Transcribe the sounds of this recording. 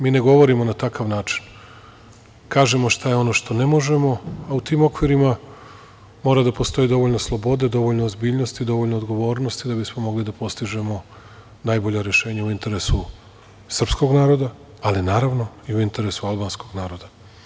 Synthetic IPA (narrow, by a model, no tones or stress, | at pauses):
miːne̞ɡo̞ʋo̞ɾimo̞nat̪akaʋnaːt͡ʃi̥n | kaːʒe̞mo̞ʃt̪ajeo̞no̞ʃt̪o̞ne̞mo̞ʒe̞mo̞aut̪iːmo̞kʋiɾima | mo̞ːɾad̪apo̞st̪o̞jid̪o̞ʋo̞ʎnoslˠo̞bo̞d̪e̞d̪o̞ʋo̞ʎnoːzbiːʎno̞st̪id̪o̞ʋoʎnoːd̪ɡo̞ʋo̞ːɾno̞st̪id̪abismo̞mo̞ɡlid̪apo̞st̪iʒe̞mo̞ | najbo̞ʎaɾje̞ʃe̞ːɲauint̪e̞ɾe̞su | sr̩psko̞ɡnaːɾo̞d̪a | alinaːɾaʋno̞ | iuint̪e̞ɾe̞sualˠbaːnsko̞ɡnaːɾo̞d̪a